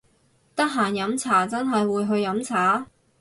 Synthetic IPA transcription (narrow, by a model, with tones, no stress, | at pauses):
t̪ɐ˥k̚ɦaː˨˩njɐ˨˥mt͡sʰaː˨˩t͡sɐ˥nɦɐ˨jwuː˨˧jɦɵ˧ɥjɐ˨˧˥mt͡sʰaː˨˥